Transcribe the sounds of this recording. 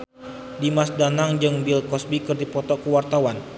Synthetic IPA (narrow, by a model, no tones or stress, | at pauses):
dimasdanaŋd͡ʒɨŋbilkɔsbikɨrdipɔt̪ɔkəwart̪awan